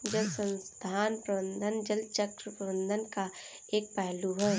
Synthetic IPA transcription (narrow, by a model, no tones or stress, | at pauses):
d͡ʒəlsə̃nst̪ʰaːnpɾəbə̃nd̪ʱənd͡ʒəlt͡ʃəkɾəpəbə̃nd̪ʱənka | eːk̚pɛɦluɦɛː